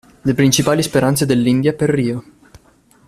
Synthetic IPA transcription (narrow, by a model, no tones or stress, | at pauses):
lepɾint͡ʃipaːlispeɾant̪sed̪elːind̪japerːiːo